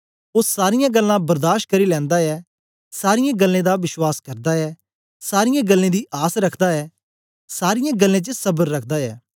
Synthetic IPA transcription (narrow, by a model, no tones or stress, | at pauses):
ʊsaːɾɪjãːɡəlːãːbɐɾd̪aːʃʈ̚kəɾiːlɛ̃ːnd̪aːɛː | saːɾɪjãːɡəlːẽːd̪aʋɪʃwaːskəɾd̪aːɛː | saːɾɪjãɡəlːẽːd̪iːʔaːsɾɐkʰd̪aɛː | saːɾɪjãːɡəlːẽt͡ʃəsɐbəɾːɐkʰd̪aːɛ̰ː